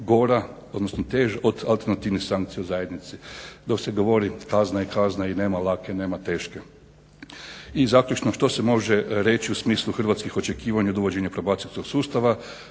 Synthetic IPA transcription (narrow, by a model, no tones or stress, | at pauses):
ɡo̞ɾa | od̪nosnot̪eːʒaʔo̞d̪alˠt̪e̞ɾnat̪iːʋnisaŋkt̪sijeozajed̪nit̪sid̪o̞kseɡo̞ʋo̞ɾikaznaikaznaineːmalakeneːmat̪e̞ːʃke̞ | izaklʲut͡ʃnoʃt̪o̞se̞mo̞ʒeɾe̞t͡ʃiusmiːslˠuxr̩ʋat̪skixo̞t͡ʃekiːʋaɲaod̪uʋo̞d͡ʑeɲapɾobaːt̪silʲskoksuːst̪aʋa